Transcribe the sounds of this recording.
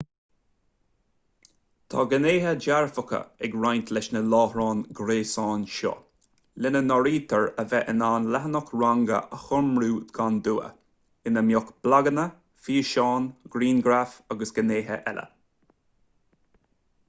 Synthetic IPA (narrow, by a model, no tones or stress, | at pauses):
t̪ʰɑ̰ɡəneːɦəd͡ʒaɹfʊkə̰ɛɡɹajnt̪ʰlɛʃnəlɑːhɾɑːnɡɾeːsɑːnʃɔ̰ | lɪnənɔɾiːt̪ʰəɹəvɛʔənaːnlɛɦənɔkɹaŋɡə̰ʔəxʊɹmɾuːɡ̥and̪uːə̰ | ɪnəmjɔkb̥laɡənə | fiːʃɑːnɡ̥ɾiːnɡɾafaɡəsɡ̥əneːɦə̰ʔɛlʔə̰